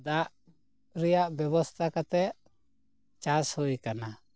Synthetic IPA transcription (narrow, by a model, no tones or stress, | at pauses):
d̪aʔ | ɾijaʔbjɔbɔst̪ʰakat̪ɛʔ | t͡ʃashojkana